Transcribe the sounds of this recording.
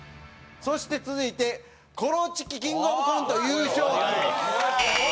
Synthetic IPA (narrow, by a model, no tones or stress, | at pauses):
so̞ɕi̥t̪e̞t͡sɨzɨit̪e̞ | kʰo̞ɾot͡ɕi̥kʲːikʲĩŋɡomɯkãnt̪o̞jɯːɕoːẽ